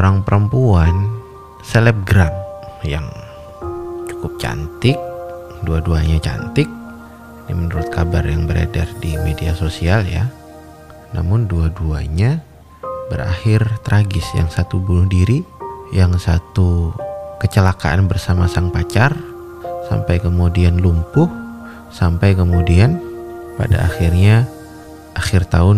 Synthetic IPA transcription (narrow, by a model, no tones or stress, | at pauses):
oɾaŋpəɾəmpuan | sɛlɛp̚ɡɾad̚jaŋ | t͡ʃu̥kʊp̚t͡ʃa̰nt̪ɪk̚ | duaduaɲat͡ʃa̰nt̪ɪk̚ | dimənuɾʊt̪̚kabarjaŋbəɾa̰dardimediasosialja̰ | na̰mʊnduaduaɲa | bəɾa̰xɪrt̪ɾʔaɡɪsja̰ŋsat̪ubunʊhdiɾijaŋsat̪ukət͡ʃəlaka̰ʔanbərsamasaŋpat͡ʃar | sa̰mpajkəmudianlumpʊh | sampajkəmudianpa̰da̰axɪrɲa | ʔaxɪrt̪aʊn